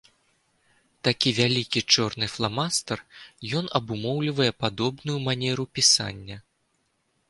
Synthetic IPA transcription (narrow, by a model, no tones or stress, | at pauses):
t̪akʲivʲalʲikʲit͡ʂɔrnɨflˠamast̪ɐrjɔnɐbumɔwlʲivɐjɛpad̪ɔbnujumanʲɛɾupʲisa̰nʲːɐ